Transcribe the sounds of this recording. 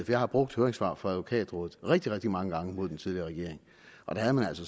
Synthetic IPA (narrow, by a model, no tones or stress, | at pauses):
fɒjɑ̈ɪhɑ̈b̥ʁɔ̽ɡ̥̚d̥høːɐʁeŋsʋɑ̰̈ːfɑæðˠʋo̝kʰɛ̰ːd̥ʁɔ̽ːðð̩ˠʁɛɡ̥d̥iʁeɡ̥̚d̥imɑ̈ŋəɡ̥ɑ̈ŋəmo̝ð̞̰ˠd̥ent͡sʰið̞ˠliɐʁɛɡ̥e̝ɐ̰eŋ | ʔɒ̽d̥æhæðˠmænæl̰sɒ